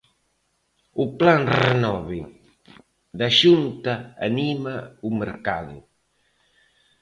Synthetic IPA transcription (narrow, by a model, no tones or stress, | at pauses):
uplanrenɔβi | ðaʃunt̪a̰ːnimaumeɾkaðṵ